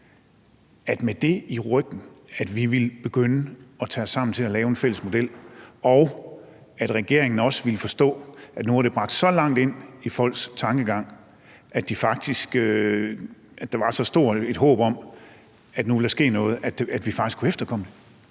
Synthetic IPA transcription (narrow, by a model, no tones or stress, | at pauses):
æd̥med̥e̝iʁœɡ̥n̩æd̥ʋiʋelb̥e̝ɡ̥ønəɒ̽t͡sʰɛːɒsːɑ̈m̰n̩t͡sʰe̝lælɛːʊe̝nfel̰əsmo̝d̥el̰ɒʊ | æd̥ʁɛɡ̥e̝ɐ̰e̝ŋn̩ɒ̽sʋiləfɒ̽sd̥ɔ̰̽ːæd̥nuɑɾ̥e̝b̥ʁɑ̈ɡ̥̚d̥sɒ̽lɑ̈ŋ̰d̥e̝n̰ifɒ̽l̰ɡ̥st͡sʰɑ̈ŋɡ̥əɡ̥ɑ̈ŋ̰ | ʔæd̥ifɑ̈ɡ̥̚d̥isɡ̥ø | æ̥ɑ̈ʋɑ̈sɒ̽sd̥o̝ɐ̰e̝d̥ɦɔ̰̽ːb̥ɒ̽m | æd̥nuʋeld̥ɑ̈sɡ̥e̝̰ːnɔ̽ːð̞̩ˠæ̥æd̥ʋifɑ̈ɡ̥isɡkʰuefd̥ɐkʰɒ̽m̰əd̥e̝